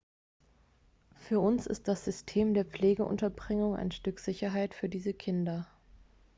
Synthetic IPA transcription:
fyːɐʔʊnsɪ̰st̚d̥asz̥ʏstʰeːmdeːɐpp͡fleːɡəʔʊ̰ntɐbʁɪŋʊŋa̰ɪnʃtʏkz̥ɪçɐɦaɪtfyːɐdiːzəkʰɪndɐ

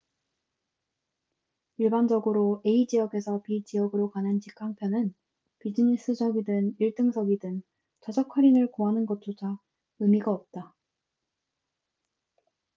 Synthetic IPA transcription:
iɭband͡ʑʌɡɯɾoeid͡ʑijʌɡe̞sʰʌpit͡ɕijʌɡɯɾokanɯnt͡ɕikʰaŋpʰjʌnɯn | pid͡ʑɯnis͈ɯd͡ʑʌɡidɯniɭt͈ɯŋsʰʌɡidɯn | t͡ɕʌd͡ʑakʰwaɾinɯɭkoɦanɯnɡʌt͈ʰot͡ɕa | ɯmiɡaʌp̚t͈a

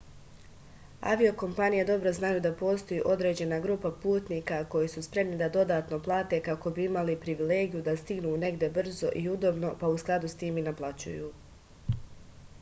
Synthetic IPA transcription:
a̰ʋio̞ko̞mpanije̞d̪o̞bɾo̞znajuːd̪apo̞ːst̪o̞jiːʔo̞d̪ɾe̞d͡ʑe̞naɡɾuːpapuːt̪niːkako̞jisuspɾe̞mnid̪ad̪o̞d̪aːt̪no̞plˠaːt̪e̞kako̞biimalipɾiʋile̞ːɡijud̪ast̪iɡnune̞ɡd̪ʲe̞br̩zo̞ʔiud̪o̞bno̞pausklˠad̪ust̪iːminaplˠat͡ɕṵjṵː

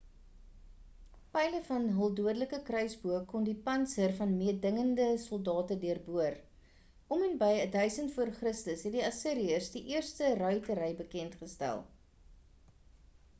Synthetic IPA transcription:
pɛjləfɐnɦəlˠduədələkəkrœɥsbuəkːɔndipɐnsərfɐnmiədəŋəndəsɔlˠdɑːtədiərbuər | ʔɔmənbəjədœɥsəntfuərχrəstəsɦɛt̚diɐsiɾiəsdiʔiərstərœɥtəɾəjbəkɛntχəstæ̰lˠ

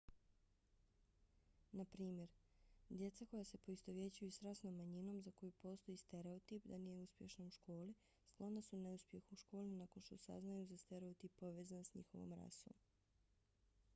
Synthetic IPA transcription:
napɾiːmje̞ɾ | d̪je̞t̪sako̞jase̞po̞ist̪o̞ʋje̞t͡ɕujusɾasnomːaɲino̞mzako̞jupo̞ːst̪o̞jist̪e̞ɾeot̪ipd̪anije̞uspje̞ʃnauʃko̞ːli | sk̪lˠonasuneuspje̞xuʃko̞ːlninako̞nʃt̪osa̰znajuzast̪eɾeot̪ipːo̞ʋe̞ːzansɲḭxo̞̰ʋo̰mɾa̰so̰m

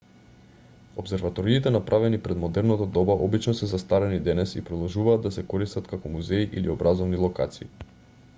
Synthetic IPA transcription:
obsɛɾvat̪ɔɾiːt̪ɛnapɾʔavɛnipɾɛd̪mɔd̪ɛɾnat̪ad̪ɔbaʔɔbit͡ʃnɔsɛzast̪aɾɛnid̪ɛnɛsḭpɾɔd̪ɔlˠʒuvaːd̪ːasɛkɔɾist̪at̪kakɔmuzɛiʔiliobɾazɔvnilˠɔka̰t̪sii

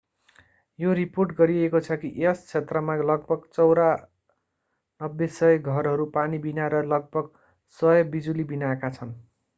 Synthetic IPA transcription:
joɾiporʈɡʌɾiekot͡sʰʌkiʔest͡sʰet̪rʌmalʌɡ̚bʱʌɡt͡sʌwɾa | nʌbːesʌjɡʱʌrɦʌɾupanibinaɾʌlʌɡ̚bʱʌɡ | sʌjʌbid͡zulibinaekat͡sʰʌn

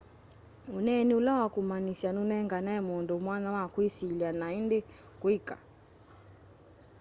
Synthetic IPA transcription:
unɛniulawakumanisanunɛŋɡanaɛmɔndɔumwanawakwisiljanaindɛ | kwikʼa̰

